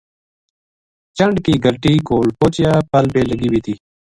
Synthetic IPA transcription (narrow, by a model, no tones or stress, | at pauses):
t͡ʃəɳɖkiːɡʱəlʈiːkoːlpoːt͡ɕjaːpəlbeːləɡiːbiːt̪iː